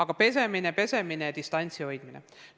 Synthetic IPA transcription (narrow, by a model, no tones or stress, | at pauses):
ɑɡ̥ɑpe̞se̞minepe̞se̞mineɑd̪ist̪ɑnʲt̪sio̞jd̪̥minḛ